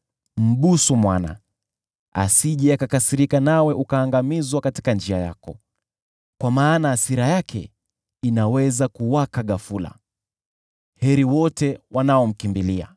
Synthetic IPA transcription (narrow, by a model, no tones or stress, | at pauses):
m̩ɓusumwana̰ | a̰siʄɛakakasiɾikanawɛʔukaːŋɡamizwakati̥kand͡ʒiaja̰kɔ | kwamaːnaːsiɾajakʰɛ̰ | inawɛzakuwakaɠafula̰ | hɛɾiwɔtɛwanaɔm̩kimbilia̰